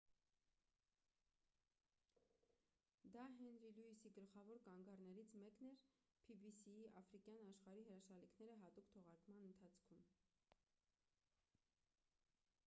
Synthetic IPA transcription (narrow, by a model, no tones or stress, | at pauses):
d̪ɑɦɛnɾiluisiɡəlχɑvɔɾkɑŋɡɑɾnɛɾit͡sʰmɛkn̪ɛɾpʰibisiiʔɑfɾikjɑnɑʃχɑɾiɦəɾɑʃɑlikʰnɛɾəɦɑt̪ukt̪ʰɔʁɑɾkmɑnənt̪ʰɑt͡sʰkʰum